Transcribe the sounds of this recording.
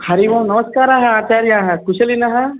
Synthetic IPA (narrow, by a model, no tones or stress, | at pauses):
hɐɾiʋamnɐmɐskaːɾaɦɐaːt͡ʃaːɾjãːɦɐkuʃɐlinɐɦɐ